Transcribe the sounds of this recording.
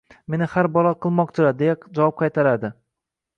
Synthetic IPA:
me̞nɪhaɾbɒlˠɒqʰɨlˠmɒq̚t̪ʰʊɾad̪jakd͡ʒavwɒp̚qʰɑjt̪ʰaɾad̪ɪ

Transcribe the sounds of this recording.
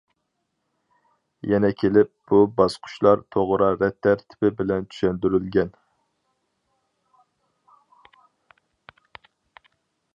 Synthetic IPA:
jɛnɛkʲʰelɪp̚b̥ubɑsqʰʊ̥ʃlˠɑɾt̪ʰoʁɾɑɾɛt̪ʰːæɾt̪ʰɪ̥pɪbɪlɛnt͡ʃ̪ʰy̥ʃɛnd̪yɾylɡʲɛn

